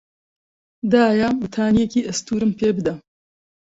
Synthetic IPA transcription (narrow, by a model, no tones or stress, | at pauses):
d̪aːjawut̪ʰaːnijekiːʔɐst̪uːɾɨmpʰeːbɨd̪ɐ